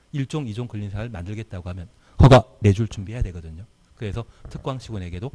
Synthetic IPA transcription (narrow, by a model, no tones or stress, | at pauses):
iɭt͡ɕ͈oŋid͡ʑoŋkɯʎːinsʰaŋɯɭmandɯɭɡe̞t̚t͈aɡohamjʌn | kʌɡane̞d͡ʑuɭt͡ɕumbiɦejadwe̞ɡʌdɯɲo | kɯɾe̞sʰʌtʰɯk̚k͈waŋɕʰiɡunɦeɡe̞do